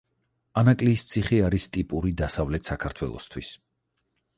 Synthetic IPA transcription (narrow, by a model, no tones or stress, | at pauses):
anakʼliːst̪sʰiχiaɾist̪ʼipʼuɾid̪asavlɛt̪ʰsakʰaɾt̪ʰwɛ̰lˠɔ̰st̪ʰwis